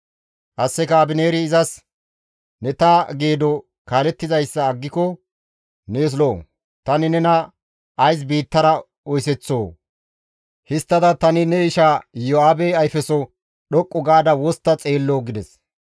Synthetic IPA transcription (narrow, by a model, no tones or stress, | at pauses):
ʔɐsːɛkaːbɪne̞ːɾɪːzɐs | nɛt̪ɐɡeːd̪ɔ | kaːlɛt̪ːɪzɐjsːɐːɡːɪkɔ | neːs̬loː | t̪ɐnɪnɛnɐː | js̬biːt̪ːɐɾɐ | ɔjsɛt͡sːo̞ː | hɪst̪ːɐd̪ɐt̪ɐnɪnɛɪʃajɔaːbeɐjfɛsɔ | ɗɔkʼːʊɡaːd̪ɐwɔst̪ːɐt͡sʼe̞ːlːoːɡɪd̪ɛs